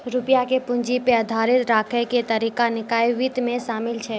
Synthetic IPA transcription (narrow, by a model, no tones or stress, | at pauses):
ɾupijakepʊnd͡ʒipeəd̪ʱaɾɪt̪ɾaːkʰɛket̪əɾikanɪkaːjʋit̪mẽsaːmɪlt͡ʃʰɛ